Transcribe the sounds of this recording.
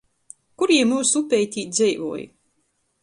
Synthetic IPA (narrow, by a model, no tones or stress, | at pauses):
kuɾiɛmːuːsupʲɛjt̪ʲiːt̪̚ʲzɛjvṵɔj̰